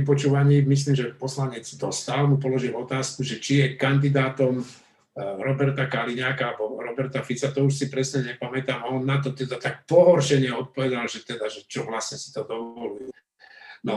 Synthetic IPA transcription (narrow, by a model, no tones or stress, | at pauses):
ipɔt͡ʃuːʋaɲiːmis̬liːmʒɛpɔslaɲɛd͡zd̪ɔst̪aːlɛmupɔlɔʒilɔt̪aːskuʒɛt͡ʃijɛkand̪id̪aːt̪ɔm | ɾɔbɛɾt̪akaliɲaːkaalbɔɾɔbɛɾt̪afit͡sat̪ɔuʃsipɾɛsɲɛɲɛpamɛt̪aːmaɔnːat̪ɔt̪ɛd̪at̪ak̚pɔɦɔɾʃɛɲɛɔt̪̚pɔʋɛd̪alʒɛt̪ɛd̪aʒɛt͡ʃɔʋlasɲɛsi̥t̪ɔd̪ɔʋɔluju | nɔ